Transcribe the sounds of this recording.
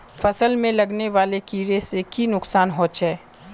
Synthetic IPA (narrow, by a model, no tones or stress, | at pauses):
fɐsəlmẽlɐɡneʋaːlekiːɾesekinʊksaːnɦoːt͡ʃɦɛː